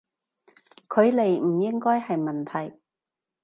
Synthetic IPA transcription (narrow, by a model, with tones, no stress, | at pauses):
kʰɵ˨˧ɥle˨jm̩˨˩jɪ˥ŋkɔː˥jhɐ˨jmɐ˨˩nt̪ʰɐ˨˩j